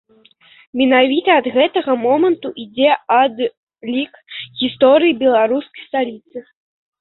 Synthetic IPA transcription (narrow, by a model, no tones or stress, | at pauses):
mʲɛnavʲit̪ɐːd̪ɣɛt̪ɐɣɐmɔmɐnt̪uʔid͡zʲɛɐd̪ | lʲikɣʲist̪ɔɾɨjibʲɛlˠaɾuskɐjst̪alʲit̪sɨ